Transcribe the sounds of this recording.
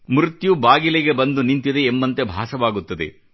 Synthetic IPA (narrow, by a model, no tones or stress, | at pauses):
mɾut̪jubaːɡileɡe̞bɐnd̪unint̪id̪eːmbɐnt̪e̞bʱaːsɐʋaːɡut̪ːɐd̪e̞̰